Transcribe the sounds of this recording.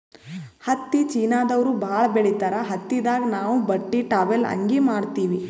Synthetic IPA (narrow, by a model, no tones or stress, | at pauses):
hɐt̪ːit͡ʃiːnaːd̪ɐʋɾubʱaːɭɐbeɭit̪ɐɾɐɦɐt̪ːid̪aːɡɐnaːʋubɐʈːiʈaːʋelɐ̰ŋɡimaːɽt̪iːʋi